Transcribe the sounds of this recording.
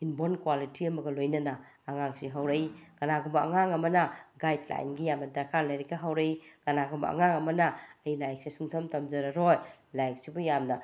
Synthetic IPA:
inbonkwalitiɐmɐɡɐlojnɐnɐː | ŋaŋsiɦawɾeiɡ̥ɐnaɡumbɐɐ̰ŋaŋɐmɐnɐɡajdla̰jnɡijamnɐdɐɾkʰalajɾiɡɐɦawɾejɡ̥ɐnaɡumɐ̰a̰ŋaŋɐmɐnɐːjilajk̚sesuŋtʰɐmtamd͡ʒɐɾɐɾojlajk̚sibujamnɐ

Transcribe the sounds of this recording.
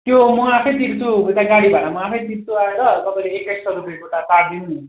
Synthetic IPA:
t̪jomʌapʰʌjt̪iɾt̪uet̪aɡaɽibʱaʈamʌapʰʌjt̪iɾt̪uaeɾʌt̪ʌpaĩleeklassʌɾupjekoʈataɾd̪inuu

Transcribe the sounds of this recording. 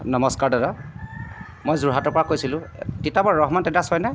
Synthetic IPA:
nɔmɔskaɹdɔda | mojzuɹɦatɔɹpɔɹakojsilʊ̃titabɔɹɹɔɦmantɛdasɔjnaj

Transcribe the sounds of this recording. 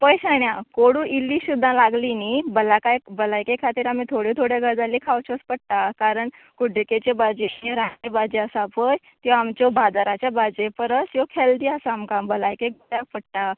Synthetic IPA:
pəjɕaɳjakoɽũːʔilːiɕud̪ʱːãlaɡlinibəlakajbəlajkekʰat̪iːɾamit̪ʰoɽet̪ʰoɽjaɡəd͡zalːikʰawt͡ɕʰəspəɽʈ̪akaɾəɳ | kuɖʱeket͡ɕebad͡ʑeɦẽɾaɳebad͡ʑeəsapʰəj | t̪iʋaamt͡ɕɔbʱad̪aɾat͡ɕjabad͡ʑepəɾəsjokʰeld̪iːasamkambəlajkek̚bəɽjak̚pəɽʈ̪a

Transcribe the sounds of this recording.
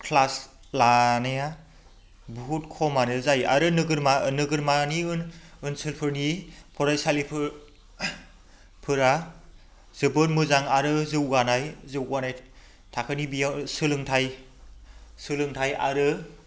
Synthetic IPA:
kʰlas | lanaja | buɦut̚kʰɔmanɯzaja̰ɾɯnɯɡɯɾmanɯɡɯɾmaniɯnɯnsɯlpʰɯɾnipʰɔɾajsalipʰɯ | pʰɯɾa | z̥ɯbɯnmɯzaŋaɾɯzɯwɡanajzɯwɡanaj | tʰakʰɯnibijasɯlɯŋtʰaj | sɯlɯŋtʰajʔa̰ɾɯ

